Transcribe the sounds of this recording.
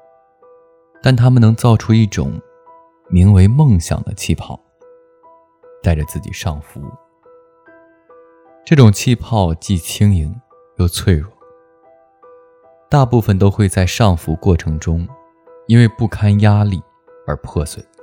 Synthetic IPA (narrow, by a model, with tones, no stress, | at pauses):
t̪a˥˩nt̪ʰa˥mə˨nɤ˧˥ŋt͡sɑ˥˩ʊʈ͡ʂʰu˥i˥˩ʈ͡ʂʊ̰˨˩ŋ | mi˧˥ŋwe˧˥ɪmɤ˥˩ŋɕjɑ̰˨˩ŋd̪ə̰˦t͡ɕʰi˥˧pʰɑ̰˥˩ʊ | t̪a˥˩ɪʈ͡ʂə˩t͡sɹ̩˥˩t͡ɕḭ˨˩ʂɑ˥˩ŋfṵ˧˥ | ʈ͡ʂɤ˥˩ʈ͡ʂʊ˨˩ŋt͡ɕʰi˥˧pʰɑ˥˧ʊt͡ɕi˥˩t͡ɕʰi˥ŋi˧˥ŋ | jo˥˧ʊt͡sʰwe˥˧ɪɻwɔ˥˩˦ | t̪a˥˧pu˥˩fə˨˩nt̪o˥ʊxwe˥˧ɪt͡sa˥˧ɪʂɑ˥˩ŋfu˧˥kwɔ˥˩ʈ͡ʂʰɤ˧˥ŋʈ͡ʂʊ˥ŋ | i˥nwe˥˧ɪpu˥˩kʰa˥nja˥li˥˩ | ə˞˧˥pʰɤ˥˩swe˥˩˦ɪ